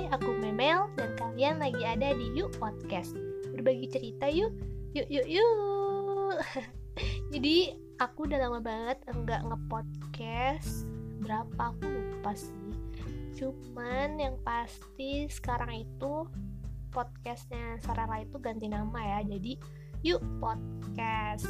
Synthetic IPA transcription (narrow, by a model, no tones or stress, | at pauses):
akumɛmɛldankalianlaɡiadadijuʔpɔt̪̚kɛst̪̚bərbaɡit͡ʃəɾit̪ajʊjʊʔjʊʔju | d͡ʒadi | akudalamabaŋət̪̚əŋɡaʔŋəpɔt̪̚kɛsbəɾapakupast̪it͡ʃumanjaŋpast̪isə̥kaɾaŋit̪u | pɔt̪̚kɛst̪̚ɲasaɾaɾait̪uɡant̪inamajad͡ʒadi | juʔpot̪̚kɛs